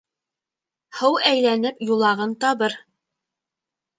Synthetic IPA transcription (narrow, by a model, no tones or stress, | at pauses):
hɤwæjlænɘpjulˠɑʁɤnt̪ɑβɤɾ